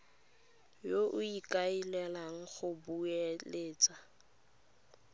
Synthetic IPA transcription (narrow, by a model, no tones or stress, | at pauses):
joʔʊikʼailɛlaŋ̩χʊbueleːt͡sʼa